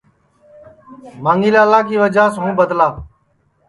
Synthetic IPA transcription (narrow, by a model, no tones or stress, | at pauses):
mãːŋɡiːlaːlaːkiːʋəd͡ʒaːsɦũːbəd̪laː